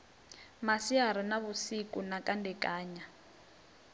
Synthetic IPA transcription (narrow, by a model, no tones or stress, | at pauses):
masiaɾ̤inaβusikʼunakʼandɛkʼaːɲa